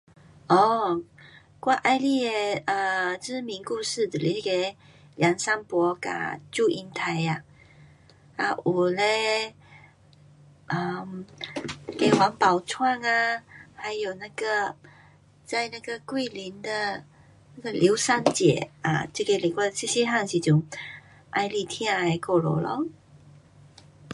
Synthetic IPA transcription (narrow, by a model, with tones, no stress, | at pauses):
ɔ˥˩ | kwa˥˧ʔa˥˧ɪli˥˩˧ə˨˧ʈ͡ʂɻ̩˥mi˧˥ŋku˥˧ʂɻ̩˥˩ʈ͡ʂ̩˨˩li˨˥ke˧˦ɪ | ljɑ˧˥ŋsa˥ŋpwɔ˧˥ka̰˨˩t͡ɕju˥˧ʔi˧˥nt̪ʰa˧˦ɪa˧ | a̰˧˩ʔu˨˩le˧ | ʔə˧˩mn˥˩ke˧˩wa˧˥ŋpa˨˩ʊt͡sʰwa˥˧ŋa˧ha˧˦ɪjo˨˩ʊna˥˩ɡə˨˩ | t͡sa˥˧ɪjna˥˩ɡə˨˩kwe˥˩li˧˦nd̪ə˨ | na˥˩ɡə˨lʔjo˧˦ʊsa˥˧nt͡ɕjɛ̰˨˩a̰˨t͡ɕə˥˧˩ke˧˩li˨˩kwa˥˩˧si˥˩ɕjɛ˥ɦa˥˧ŋɕi˨˧t͡ɕju˨˩ŋ | ʔa˧ɪli˥˧t̪ʰjɛ˥a˧a˧˩ko˥˩lo̰˨˩lɔ̰˧˦